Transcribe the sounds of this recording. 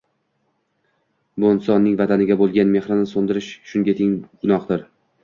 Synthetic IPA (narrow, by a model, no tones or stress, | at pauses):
bonsɒnːɪŋʲvat̪ʰanɪɡʲabolˠɡʲanme̞χɾɪnɪsond̪ɪɾɪʃʃʊŋɡʲet̪ʰɪŋɡʊnɒqd̪ɪɾ